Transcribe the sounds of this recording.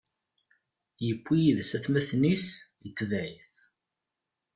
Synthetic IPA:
jəpʷːijiðsæθmæθnisjət͡s̪ːvæʕiθ

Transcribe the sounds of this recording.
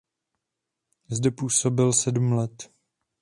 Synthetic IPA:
zdɛpuːso̞bɪlsɛdumlɛt̪

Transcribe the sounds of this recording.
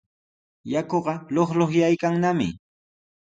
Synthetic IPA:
jakoɢɑloχloχjajkaŋnamɪ̰

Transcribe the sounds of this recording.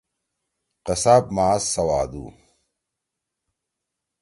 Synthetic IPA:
qɐsaːp̚maːsɐwaːd̪ṵː

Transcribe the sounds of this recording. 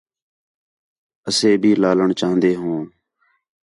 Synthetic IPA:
əseːbʱiːlaːləɳt͡ʃaːɦə̃nd̪eːɦõː

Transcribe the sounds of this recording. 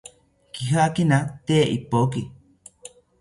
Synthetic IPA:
kiɦakinãt̪eʔipok̬i

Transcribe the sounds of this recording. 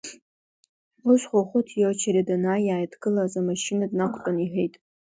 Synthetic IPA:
uʃʷχʷoχʷʊtʰjot͡ʃʰaɾadanajaːjtʰʼɡɨlazamaʃinadnakʷʰʼtʼaniħᶣejtʼ

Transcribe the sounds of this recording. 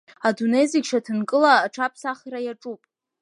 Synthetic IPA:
adunejzɪɡʲʃatʰɨnkʼɨlaːʈ͡ʂʰapʰsaχɾajaʈ͡ʂʼupʼ

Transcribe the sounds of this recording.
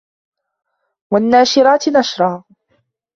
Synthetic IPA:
wanːaːʃɪɾaːt̪naʃɾˤɑː

